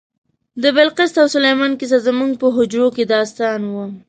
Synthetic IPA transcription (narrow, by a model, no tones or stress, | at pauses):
d̪əbɪlqɪst̪awsʊlajmɑnkis̬azəmuŋɡ̚pəɦʊd͡ʒɾoked̪ɑst̪ɑnwu